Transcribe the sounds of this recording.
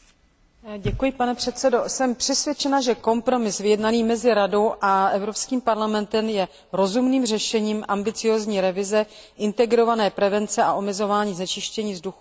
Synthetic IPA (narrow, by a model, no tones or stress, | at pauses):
ɟɛkujɪpanɛpr̝̥ɛt̪t͡sɛdo̞sɛmpr̥ɛsvjɛt͡ʃɛnaʒɛko̞mpɾo̞mɪsvɪjɛdnaniːmɛzɪɾado̞wʔaʔɛvɾo̞pskiːmpaɾlamɛnt̪ɛmjɛ | ɾo̞zumniːmr̝ɛʃɛɲiːmʔambɪt͡sɪjoːzɲiːɾɛvɪzɛ | ʔɪnt̪ɛɡɾo̞vanɛːpɾɛvɛnt͡sɛʔaʔo̞mɛzo̞vaːɲiːznɛt͡ʃɪʃcɛɲiːzduxu